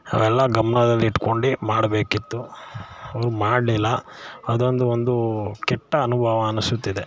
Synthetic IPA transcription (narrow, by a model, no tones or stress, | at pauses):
ɐ̰ʋɛlːɐɡɐmɐɳɐd̪ɐlːiːʈko̞ɳɖimaːɽbe̞ːkit̪ːu | ɐʋɐɾumaːɖlilːɐɐd̪o̞nd̪uond̪ukɛʈːɐːnubʱɐʋɐːnusut̪ːid̪e